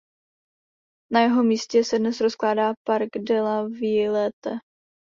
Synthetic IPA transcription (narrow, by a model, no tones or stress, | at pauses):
najɛɦo̞miːscɛsɛdnɛsɾosklaːdaːpaɾɡdɛlaviːlɛt̪ɛ